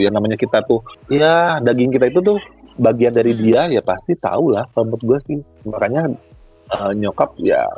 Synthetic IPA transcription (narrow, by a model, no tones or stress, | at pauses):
jaŋnamaɲakit̪at̪ʊhjadaɡɪŋkit̪ait̪̬ut̪̬ʊhbaɡiandaɾidiajapast̪it̪a̰ulahpəmʊt̪̚ɡuasɪh | makaɲa | əːɲokap̚ja̰